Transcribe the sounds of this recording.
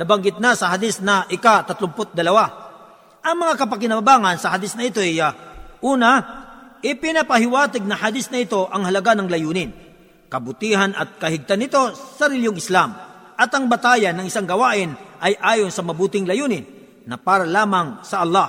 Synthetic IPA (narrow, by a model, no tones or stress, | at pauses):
nɐbɐŋɡɪt̪̚nasɐɦad̪ɪsnɐʔɪkat̪ɐt̪lʊmpot̪̚d̪ɐlɐwa | ʔɐŋmɐŋakɐpɐk̬ɪnɐbɐbaːŋɐnsɐhad̪ɪsnɐʔɪt̪o̞ɛjaʔuːnɐʔɪpɪnɐpɐhɪwaːt̪ɪɡ̚nɐhad̪ɪsnɐɪt̪o̞ʔɐŋhɐlɐɡanɐŋlɐjuːnɪn | kɐbʊt̪ihanɐ̰t̪̚kɐhɪɡ̚t̪anːɪt̪o̞sɐɾɪljoŋɪslam | ʔɐt̪ɐŋbɐt̪aːjɐnːɐŋʔɪsaŋɡɐwaːʔɪnʔɐjʔaːjonsɐmɐbuːt̪ɪŋlɐjuːnɪnː | ɐpaːɾɐlaːmɐŋsɐʔɐlːɑ